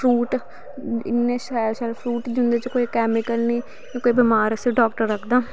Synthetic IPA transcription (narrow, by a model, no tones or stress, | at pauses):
pʰɾuːʈ | ɪnːẽːʃɛʃɛlpʰɾuːʈd͡ʒʊnd̪eːt͡ʃkoːikɛːmɪkəlniː | kõːkoːiːbɪmaːɾəseɖɔːk̚ʈəɾːəkʰd̪aː